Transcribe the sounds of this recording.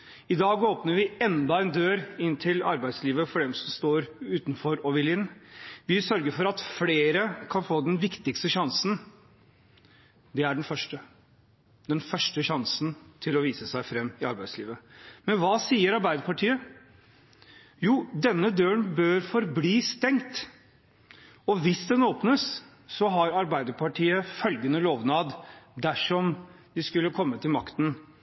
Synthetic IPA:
ɪd̪ɑːɡoːpnəɾʋɪɛnd̪ɑɛnd̪øːɾɪnːt̪ʰɪlɑ̰ɾbæɪd̪sliːʋəfɔɖɛmsɔmst̪oːɾʉːt̪n̩fɔɾɔʋɪlɪnːʋɪsœɾɡəɾfɔɾɑt̪fleːɾəkʰɑnfoːd̪ɛnʋɪkt̪ɪkst̪əʃɑnsn̩ | d̪ɛæɖɛnfœʂʈə | d̪ɛnfœʂʈəɕɑnsn̩t̪ʰɪlɔʋiːsəsæɪfɾɛmːɪɑɾbæɪd̪sliːʋəmɛnʋɑːsiːəɾɑɾbæɪd̪əɾpɑʈʰiːə | juːd̪ɛnːəd̪øːənbøːɾfɔɾbliːst̪ɛŋt̪ | ɔʋɪsd̪ɛnoːpnəsː | ɔɦɑɾɑɾbæɪd̪əɾpʰɑʈʰiːəfœlɡənəloːʋnɑːd̪d̪æʂɔm | d̪ɪskʉlːəkʰɔmːət̪ʰɪlmɑkt̪ən

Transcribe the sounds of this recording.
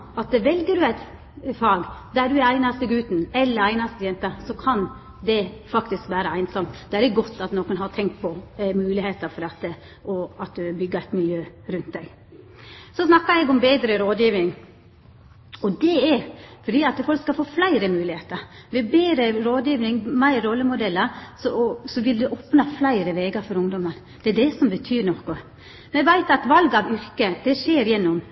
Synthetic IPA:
ɑt̪̚d̪ɛʋɛlɡəɖʉæɪt̪ | fɑːɡd̪æɖʉæɾæɪnɑst̪əɡʉːt̪n̩ɛlːəɾæɪnɑst̪əjɛnt̪əsɔkʰɑn | d̪ɛfɑkt̪ɪskʋæːɾəæɪnsɔmt̪d̪ɛæɾɛɡɔt̪ːɑt̪noːkənɦɑt̪ʰɛŋkt̪̚pʰɔmʉːlɪheːt̪əɾfɔɾɑt̪ːə | ɔɑt̪̚d̪ʉbʏɡːəæt̪mɪljøːɾʉnt̪̚d̪æɪɡ | sɔsnɑkːɑɛɡɔmbeːd̪ɾəɾoːd̪jiːʋnɪŋ | ɔd̪ɛɛɾfɔɖiːɑt̪fɔlkskɑfoːflæɪɾəmʉːlɪheːt̪əɾʋɛbeːɾəɾoːd̪jiːʋnɪŋmæɪɾɔlːəmʊd̪ɛlːəɾsɔsɔʋɪld̪ʉʔoːpnɑflæɪɾəʋeːɡəɾfɔɾʊŋd̪ɔmən | d̪̥ɛæɖ̪ɛsɔmbət̪ʰyːɾnɔkʊ | mɛɡʋæɪt̪ɑt̪ʋɑlɡɑʋʏɾkəd̪̥ɛʂeːɾjɛnːɔm

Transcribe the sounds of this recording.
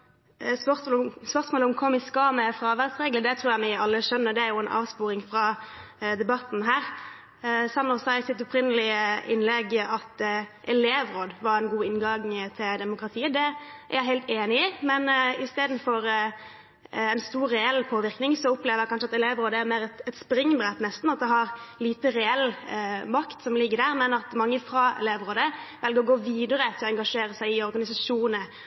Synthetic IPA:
spœʁlspœʁsmoːlʊmkʰɔmːɪskɑmɛfɾɑʋæʁd̪sʁɛɡləd̪ɛt̪ʰɾuːɾjæmɪɑlːəʃœnːəɾd̪ɛæɾjʊɛnʔɑ̰ːʋspuːɾɪŋfɾɑd̪ɛbɑt̪ːn̩ɦæːɾ | sɑnːɔsɑɛsɪt̪ɔpʰɾɪnːəlɪəɪnlɛɡʔɑt̪ʔɛleːʋɾoːd̪ʋɑɾɛnɡuːɪnɡɑŋt̪ʰɪld̪ɛmʊkɾɑt̪ʰiːəd̪ɛæ̰ɾjæɪɦæɪlt̪eːnɪɪmɛnɪst̪eːd̪n̩fɔɾ | ɛnst̪uːɾːɛɛlːpʰoːʋɪɾknɪŋsɔʊpleːʋəjɑkʰɑnʂəɑt̪ɛleːʋɾoːd̪əæɾmeːʁɛt̪ɛt̪spɾɪŋːbɾɛt̪nɛst̪n̩ɑt̪̚d̪ɛɦɑɾliːt̪əɾɛɛlmɑkt̪sɔmlɪɡːəd̪æːʁmɛnɑt̪mɑŋːəfɾɑɛ̰leːʋʁoːd̪əʋɛlɡəɾɔɡoːʋiːd̪əʁət̪ʰɪlɔɛŋɡɑʂeːɾəsæɪɪɔɾɡɑnɪsɑʂuːnə

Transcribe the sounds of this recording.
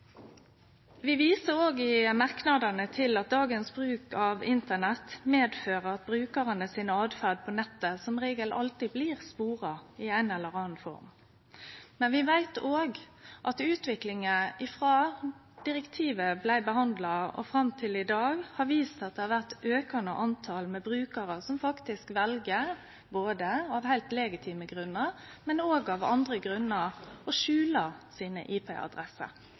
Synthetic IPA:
ʋɪʋiːsəʁoːɡɪmɑʁknɑd̪ənət̪ʰɪlɑt̪̚d̪ɑːɡənsbʁʉːkɑʋɪnt̪ənɛt̪meːd̪føːʁəɾɑt̪̚bʁʉːkəʁənəsiːnəɑːd̪fæʁd̪̚pʰɔnɛt̪ːəsɔmʁeːɡəlʔɑ̰lt̪ɪbliːʁspuːʁɑɪæɪnɛlːəʁɑːnfɔ̰ʁm | mɛnʋɪʋæɪt̪oːɡ | ʔɑt̪ʉːt̪ʋɪklɪŋəɪfʁɑː | d̪̥ɪʁɛkt̪ʰiːʋəblæɪbəhɑnd̪lɑɔ̰fɾɑmt̪ʰɪlɪd̪ɑːɡhɑʋiːst̪ɑt̪̚d̪ɛhɑʁʋæʁt̪øːkɑnə̰ʔɑnt̪ʰɑlmɛbɾʉːkəɾəsɔmfɑkt̪ɪskʋɛlɡəʁ | boːd̪əɑʋhæɪlt̪lɛɡɪt̪ʰiːməɡʁʉnːəʁmɛnoːɡɑʋɑ̰nd̪ʁəɡɾʉnːəʁɔʃʉːləɾsiːnə̰ʔiːpʰɛ̰ɑ̰d̪ɾɛsə̰

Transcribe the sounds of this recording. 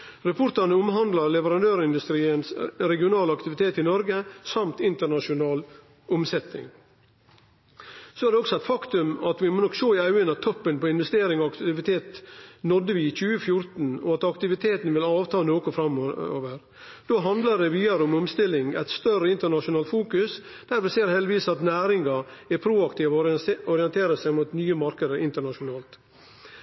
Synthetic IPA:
ɾɛpʰʊɾt̪ɑnəʊmɦɑnd̪lɑɾlɛʋəɾɑnd̪øːɾɪnd̪ʉst̪ɾiːənsɾɛɡɪʊnɑːləɑkt̪ɪʋɪt̪ʰeːt̪ɪnɔɾɡəsɑmt̪ɪnt̪əɳɑʂʊnɑːl | ʊmsɛt̪ɪ̰ŋ | soæɾɖɛɔksɔæɪt̪fɑkt̪ʉmɑt̪ʋɪmoːnɔkʃoːɪɑʉənɑt̪ʰːɔpːənpɔɪnʋɛst̪eːɾɪŋɔɑkt̪ɪʋɪt̪ʰeːt̪nɔd̪ːəʋɪt͡ʃʉːəfjʊɾt̪n̩ɔ̰ɑt̪ɑkt̪ɪʋɪt̪ʰeːt̪nʋɪlɑːʋt̪ʰɑːnoːkʊfɾɑmo̰ːʋəɾ | d̪̥oːɦɑnd̪ləɖɛʋiːɑɾəɔmɔmst̪ɪlːɪŋæ̰ɪt̪st̪œrəɪnt̪əɳɑʂʊnɑːlt̪fuːkʉs | d̪̥æɾʋɪseːɾhɛld̪ɪʋiːsɑt̪næːɾɪŋɡɑɛɾpʰɾuːɑkt̪iːʋɔɔɾɪɛnt̪ʰeːɾəsæɪmut̪nyːəmɑɾkəd̪əɾʔɪnt̪əɳɑʂʊnɑːlt̪

